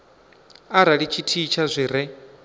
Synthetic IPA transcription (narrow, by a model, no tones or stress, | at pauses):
aɾaɺit͡ʃʰitʰit͡ʃʰazʷiɾɛ